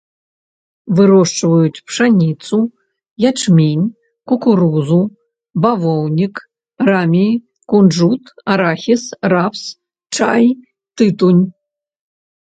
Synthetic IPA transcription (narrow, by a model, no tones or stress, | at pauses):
vɨɾɔʂt͡ʂvɐjut͡sʲpʰʂanʲit͡s̪ʰʼu | jaʈ͡ʂʰmʲinʲ | kukuɾuzu | bavownʲik | ramʲi | kunʐut̪ʰaɾaxʲisraps | ʈ͡ʂʰaj | t̪ɨt̪unʲ